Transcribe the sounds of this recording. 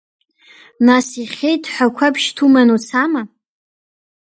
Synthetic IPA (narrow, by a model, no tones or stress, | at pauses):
nasiχʲejtʰʼħʷakʷʰapʰʃtʰumanut͡sʰama